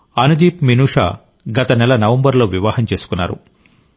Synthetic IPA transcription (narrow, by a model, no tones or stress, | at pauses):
ɐnud̪iːpminuːʂa̰ː | ɡɐt̪ɐnɛlɐnɐʋɐmbɐɾlo̞ːʋiʋaːɦɐmt͡ʃe̞ːsu̥kunːa̰ːɾṵ